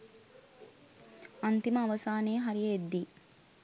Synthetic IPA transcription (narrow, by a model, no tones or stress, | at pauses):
ɐnt̪imɐːʋɐsaːneːɦɐɾijɐed̪ːi